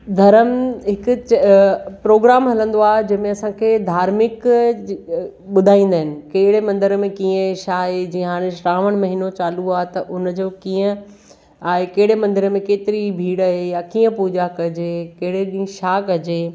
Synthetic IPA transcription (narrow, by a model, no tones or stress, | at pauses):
d̪ʱɐɾəmɦɪkʊ̆t͡ɕpɾoːɡɾaːmɦɐlə̃n̆d̪oaːɦed͡ʑɐ̃ɦɪ̃mẽɐsãkʰeːd̪ʱaːɾmɪk | ɓʊd̪ʱaːĩːn̆d̪aːɦɪnɪ̆keːɪɽemɐ̃nd̪ɪɾmẽkiːə̃ʃaːɦed͡ʑiːə̃ɦaːɽ̃ẽʃʈaːʋəɽ̃mɐɦinot͡ɕaːluaːɦet̪ɐʔʊnd͡ʑoːkiːə̃ | aːɦekeɦɪɽemɐ̃nd̪ɪɾəmẽkeːt̪ɪɾibʱiːɽɐɦejakiːə̃puːd͡ʑakɐd͡ʑekeɦɪɽeɗĩːʃaːkɐd͡ʑeː